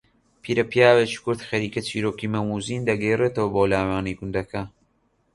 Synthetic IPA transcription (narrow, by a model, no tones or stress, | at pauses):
pʰiːɾɐpijaːwet͡ʃi̥kʊɾt̪xɐɾiːkɐt͡ʃiːɾoːkimɐmuːziːnd̪ɐɡɛjreːt̪ɐwɐboːlaːwaːniɡʊnd̪ɐkʰɐ